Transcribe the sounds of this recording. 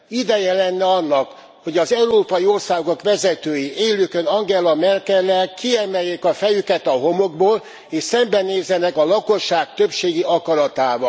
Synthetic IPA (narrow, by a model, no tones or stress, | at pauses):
id̪ɛjɛlɛnːɛɒnːɒk | ho̞ɟɒzɛuɾoːpɒjio̞rsaːɡo̞kʋɛzɛt̪øːjiʔeːløkønɒŋɡɛlɒmɛrkɛlːɛkʰiɛmɛjːeːkɒfɛjykɛt̪ɒɦo̞moɡboːl | eːʃsɛmbɛneːzːɛnɛkɒlɒko̞ʃːaːk̚t̪øpʃeːɡiɒkɒɾɒt̪aːvɒ